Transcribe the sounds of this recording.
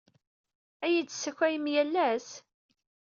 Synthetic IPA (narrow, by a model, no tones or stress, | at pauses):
æjidsæçæjəmjælːæs